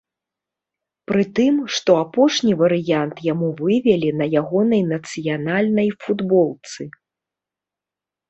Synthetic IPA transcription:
pɾɨt̪ɨmʂt̪ɔapɔʂnʲivɐɾɨjant̪jamuvɨvʲɛlʲinɐjaɣɔnɐjnɐt̪sɨjanalʲnɐjfud̪bɔlˠt̪sɨ

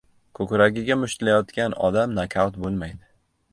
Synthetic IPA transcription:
kʰɵkʲɾaɡʲɪɡʲamʊʃlajɒt̪kʲanɒ̰d̪amnakʲʰawt̪bolˠmajd̪ɪ

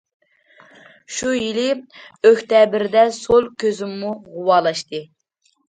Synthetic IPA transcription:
ʃujilɪøht̪ɛbɪɾd̪ɛsolˠkʲʰøzymːuʁʊwɑːlˠɑʃt̪ɨ

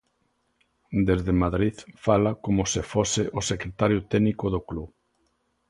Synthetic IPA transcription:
d̪ezðemaðɾiðfalakomʊsɪfosɪʔʊsekɾet̪aɾjʊt̪ɛnikʊðokluβ

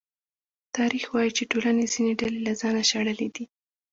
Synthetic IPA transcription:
t̪ɑɾixwɑjit͡ʃeʈolanez̥ineɖalelazɑnaʃaɽəled̪i

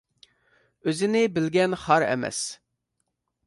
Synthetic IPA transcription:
øzɪnɪbɪlɡʲɛnχɑɾɛ̰mɛ̰s

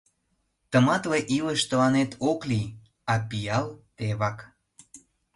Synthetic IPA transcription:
t̪ə̆mɑt̪leʔiləʃt̪əlɑnet̪ʰokli | ɑpijɑlt̪eβɑk

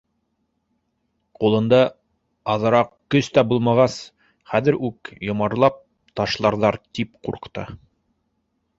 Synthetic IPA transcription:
qulˠɤ̆nd̪ɑ | ɑðɤ̆ɾɑqkɵst̪æbulˠmɑʁɑs | χæðɘ̆ɾʉkjŏmɑɾlˠɑp̚ | t̪ɑʃlˠɑɾðɑɾt̪ipqṵɾqt̪ɤ̰

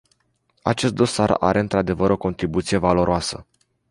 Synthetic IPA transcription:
a̰t͡ʃe̞st̪̚d̪o̞sara̰ɾʔe̞ɨnt̪ɾad̪e̞vəɾʔo̞ko̞nt̪ɾibut̪sije̞valo̞ɾoasə̰

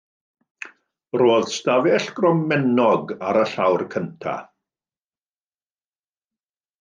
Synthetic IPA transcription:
roːðstavɛɬɡ̥rɔmːɛnɔɡaɾəɬawrkʰəntʰa̰

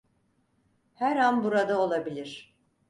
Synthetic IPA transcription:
hæɾanbuɾad̪ao̞lˠabilʲiɾ̥

